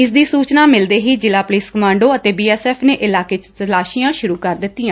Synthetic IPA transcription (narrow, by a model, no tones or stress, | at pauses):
ɪs̬d̪iːsuːt͡ʃnaːmɪld̪eːɦiːd͡ʒɪlaːpʊliːskəmãːɳɖoːət̪eːbiːɛːsɛːpʰneːʔɪlaːkeːt͡ʃt̪əlaːʃiːjãːʃʊɾuːkəɾd̪ɪt̪ːɪːãː